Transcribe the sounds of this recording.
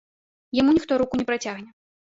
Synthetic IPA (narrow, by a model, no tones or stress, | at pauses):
jamunʲixt̪ɔɾukunʲɛpɾat͡sʲaɣnʲɛ